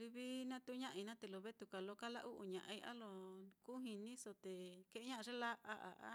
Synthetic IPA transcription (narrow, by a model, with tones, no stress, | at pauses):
li˧βi˦nã˦t̪u˦ɲã˦ʔi˧nã˦t̪e˧lo˧βe˦t̪u˧ka˨lo˧˦ka˦la˦˧ʔu˦ʔu˧˨ɲã˨ʔa˧i˧ʔa̰˦lo˧ku˦ɦĩ˧nĩ˦so˧t̪e˨ke˧ʔe˦ɲã˦ʔã˧ʐe˦la˦ʔa˧ʔa˨ʔa̰˦